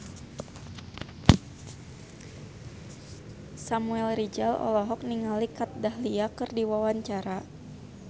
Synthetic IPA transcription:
samuɛlɾid͡ʒalɔ̰lɔɦɔk̚niŋalikat̪̚daɦliakɨrdiwawaɲt͡ʃaɾa

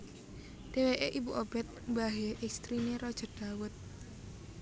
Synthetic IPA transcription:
d̥eweʔeʔibuʔobɛt̪̚baɦeʔɛkst̪ɾineɾɔd̥ʒ̥ɔ̤d̥awʊt̪̚

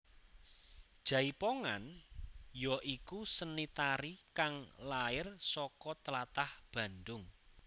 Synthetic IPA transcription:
d̥ʒ̥a̤ipoŋan | jɔʔikusənit̪aɾikaŋlaɪrsɔkɔt̪əlat̪ahb̥ä̤nd̪ʊŋ

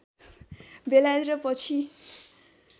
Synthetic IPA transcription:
belad̪ɾʌpʌt͡sʰi

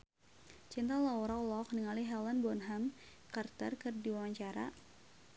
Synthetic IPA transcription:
t͡ʃint̪alaɔɾawlɔk̚niŋaliɦɛlanbɔnɦam | kart̪ərkɨrdiwawaɲt͡ʃaɾa̰

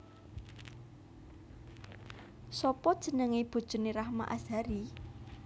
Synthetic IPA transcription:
sɔpɔd̥ʒ̥ə̤nəŋeb̥o̤d̥ʒ̥ʊ̤neɾahma̰ʔaz̥aɾi

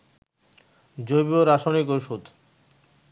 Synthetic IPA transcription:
d͡ʑojbioɾaʃonikoʃut̪

